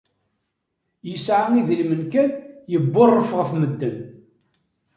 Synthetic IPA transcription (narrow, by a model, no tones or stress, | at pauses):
jəsʕaniðəlmənkænjəbːʊrˤːəfʁəfməd̪ːən